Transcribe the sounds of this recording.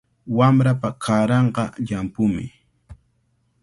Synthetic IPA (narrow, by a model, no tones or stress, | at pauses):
wamɾapakʰaːɾɑɴqɑʎampʊmɪ̰